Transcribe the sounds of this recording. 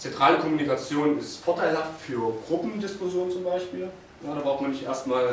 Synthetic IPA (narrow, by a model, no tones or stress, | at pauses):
t͡sɛntʁ̥aːləkʰɔmunikat͡sjoːnɪstfɔɐtʰaɪlhaftfyːɐɡ̥ʁʊpm̩dɪskʊzjoːnt͡sʊmbaɪʃpiːl | jaːdabʁaʊfmanːɪçtʔḛːɐstmaːl